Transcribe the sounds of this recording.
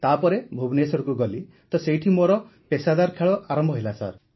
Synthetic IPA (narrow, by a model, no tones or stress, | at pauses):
t̪apɔɾebʱubnesɔɾɔkuɡɔli | t̪ɔsejʈʰimoɾɔ | pesad̪aɾkʰeɭɔʔaɾɔmbʱɔɦelasa̰ɾ